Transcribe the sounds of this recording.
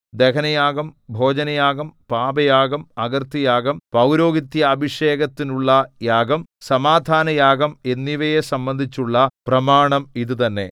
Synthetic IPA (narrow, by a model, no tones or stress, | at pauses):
d̪e̞kʰɐnɐjaːɡɐmbʱo̞ːd͡ʑɐnɐjaːɡɐmpaːbɐjaːɡɐmɐɡɐrt̪ijaːɡɐmpɐwɾo̞ːɡit̪ːjɐːbʱiʂe̞ːɡɐt̪ːinuɭːɐjaːɡɐmsɐmaːd̪ʱaːnɐjaːɡɐme̞nːiʋɐjesɐmbɐnd̪ʱit͡ɕːuɭːɐprɐmaːɳɐmiðɨt̪ɐnːe̞̰